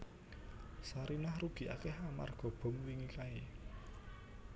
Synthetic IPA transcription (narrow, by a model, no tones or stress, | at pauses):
saɾinahruɡ̥i̤ʔa̰kɛhama̰rɡ̥ɔ̤b̥ɔ̤mwiŋikae